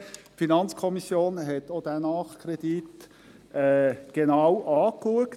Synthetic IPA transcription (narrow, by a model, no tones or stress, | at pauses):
finɑnt͡skʰɔmisjoːnɦɛt̪od̥̪ænɑːχkʰɾed̥̪it | ɛːɡ̥enɑwʔɑːkluək